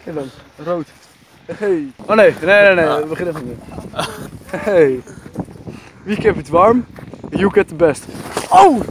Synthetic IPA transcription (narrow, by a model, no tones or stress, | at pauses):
kedɑn | rowt | hejonejnenenejbəχɪnɛfnɔme | hej | ʋikɛ̃pətʋɑɹmjuɡɛt̚ðəbɛstow